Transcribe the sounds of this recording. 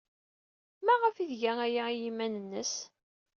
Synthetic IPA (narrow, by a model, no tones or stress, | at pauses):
mæʁəfiðʝææjajimænənːəs